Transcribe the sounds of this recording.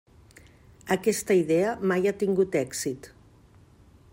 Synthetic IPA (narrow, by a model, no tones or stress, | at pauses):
əkɛst̪əiðɛəmajat̪iŋɡut̪ɛkzit̪